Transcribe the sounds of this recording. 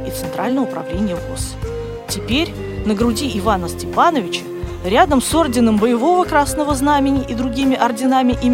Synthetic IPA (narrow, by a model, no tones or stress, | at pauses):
it̪sɨnt̪ɾalʲnəəʊpɾɐ̰vlʲenʲɪjəvos | tʲɪpʲeɾʲ | nəɡɾʊdʲiɪvanəsʲtʲɪpanəvʲɪt͡ɕə̥ | ɾʲad̪əmso̞rdʲɪnəmbəjɪvo̞vəkɾasnəvəznamʲɪnʲɪʔɪd̪ɾʊɡʲimʲɪʔɐrdʲɪnamʲɪʔɪmʲ